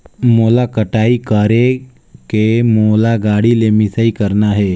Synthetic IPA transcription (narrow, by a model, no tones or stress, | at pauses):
moːlakəʈaːikəɾe | kemoːlaɡaːɽilemɪsaikəɾnaɦɛː